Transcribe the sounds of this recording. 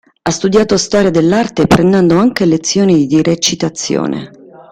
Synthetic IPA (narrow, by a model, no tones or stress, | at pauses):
ast̪ud̪jaːt̪ost̪ɔːɾjad̪elːart̪epɾend̪ɛnd̪oaŋk̟elet̪sːjoːnid̪iɾet͡ʃit̪at̪sːjo̰ːnʔḛ